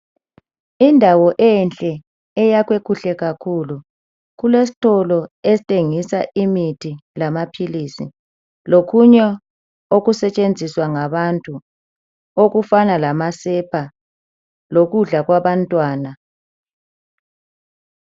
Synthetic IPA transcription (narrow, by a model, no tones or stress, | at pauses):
indʱawɔʔɛnt͡ɬʼɛ | ɛjaɣwekʰuɬɛɣakʰulu | ɣulesi̥tʰʼɔlɔesitʼeŋisaʔimitʰilamapʰiliːsḭ | lokʰuɲɛ | oɣusɛt͡ʃʼend͡zʱiswaŋaβantʼu | oɣufanalamasɛpʰa | loɣuɮaɣwaβantʼwaːna